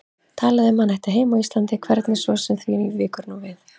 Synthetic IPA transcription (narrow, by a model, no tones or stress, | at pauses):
t̪ʰaːlaðʏmanːɛjht̪aɦeːjmaist̪lant̪ɪkʰvɛɾt̪nɪsvɔsɛmθvinivɪːkʏɾnuwvɪθ